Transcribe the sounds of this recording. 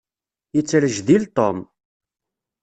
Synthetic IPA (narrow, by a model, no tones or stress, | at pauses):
jət͡sːəɾəʒðilt̪om